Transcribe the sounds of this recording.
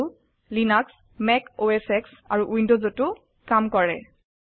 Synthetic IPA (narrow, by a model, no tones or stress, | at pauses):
linaks | mɛkoɛsɛksa̰ɹuʔwindozotu | kamkɔɹɛ